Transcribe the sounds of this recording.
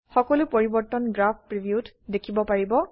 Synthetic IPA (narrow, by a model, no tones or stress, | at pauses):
xɔkɔlupoɹibɔɹt̪ɔnɡɹap̚ʰpɹibijut | dekʰibɔpaɹibɔ